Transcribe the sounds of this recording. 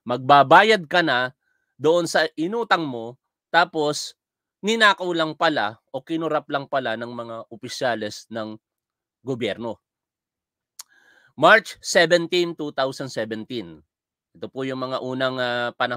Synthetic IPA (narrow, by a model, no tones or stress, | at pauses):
mɐɡ̚babaːjɐd̪̚kɐnɐ | d̪oʔonsɐʔɪnuːt̪ɐŋmo̞ | t̪aːpo̞s | nɪnaːkɐwlɐŋpɐlaʔo̞kɪnʊɾaplɐŋpɐlanɐŋmɐŋaʔopɪʃjaːlɛsnɐŋ | ɡobjɛɾno̞ | maɹt͡ʃsɛvɛnt̪int̪ut̪awsɐnd̪sɛvɛnt̪in | ʔɛt̪opojʊŋmɐŋaʔuːnɐŋapɐnɐ